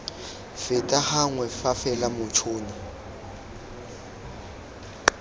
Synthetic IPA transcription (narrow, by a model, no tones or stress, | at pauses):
fɪtʼahaŋwɛfafɛlamʊt͡ʃʰʊːnɔ